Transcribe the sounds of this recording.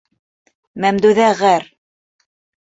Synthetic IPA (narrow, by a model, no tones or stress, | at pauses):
mæmd̪ʉðæʁæɾ